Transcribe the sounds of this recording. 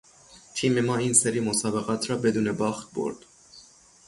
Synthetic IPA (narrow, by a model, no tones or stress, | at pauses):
t̪ʰiːme̞mɒːiːnseɾiːmosɒːbeɣɒːt̪ʰɾɒːbe̞d̪uːnebɒːxt̪̚bo̰ɾd̪̥